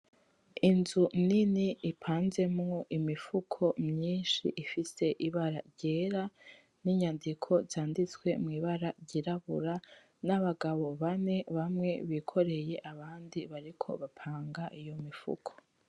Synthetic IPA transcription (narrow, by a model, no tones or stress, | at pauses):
inzuniniipʰaːnze̞mŋo̞ʔimifukʰo̞mɲiːnʃḭʔifise̞ʔiβaɾaɾɟeːɾa | niɲandikʰo̞zaːndit͡swe̞mŋiːβaɾaɾɟiɾaβṵɾa | naβaɡaβo̞βane̞βamŋe̞βikʰo̞ɾe̞je̞ʔaβaːndiβaɾikʰo̞̰βapʰaːŋɡaʔijo̞mifṵkʰo